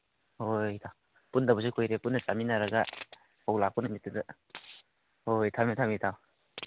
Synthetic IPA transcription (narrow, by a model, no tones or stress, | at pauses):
hojtʰaw | pundabus̬ikʰojɾepundɐt͡ʃaminaɾaɡa | awlapʰunɐmitːɯdɯ | hojtʰamitʰamitʰaw